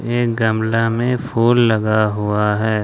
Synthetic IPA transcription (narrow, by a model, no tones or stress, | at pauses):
eːk̚ɡɐmlamẽfʰoːlːɐɡaɦʊaɦɛː